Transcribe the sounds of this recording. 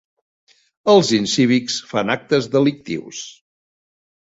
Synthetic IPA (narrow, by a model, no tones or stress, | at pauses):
əlˠzinsiβiksfanak̚t̪əzðəlik̚t̪ḭws